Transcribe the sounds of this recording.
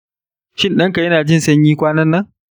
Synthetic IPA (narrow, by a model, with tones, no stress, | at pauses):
ʃɪ˦nɗɐ˦ŋka˨jɐ˦naː˨d͡ʒɪ˦˨nsɐ˦ɲjiː˦kʷaː˦nɐ˦nːɐ˦ŋ